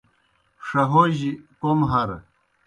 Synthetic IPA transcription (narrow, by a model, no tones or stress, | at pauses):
ʂɐɦoʑikomɦɐɾ